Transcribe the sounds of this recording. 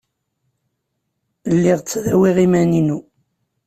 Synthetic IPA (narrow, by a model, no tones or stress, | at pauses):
lːiʁt͡sːðæwiʁimæninu